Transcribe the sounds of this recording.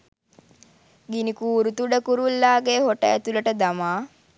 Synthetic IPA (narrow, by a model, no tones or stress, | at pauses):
ɡinikuːɾut̪uɖəkuɾulːaːɡeːhoʈə̰æt̪uləʈəd̪amaː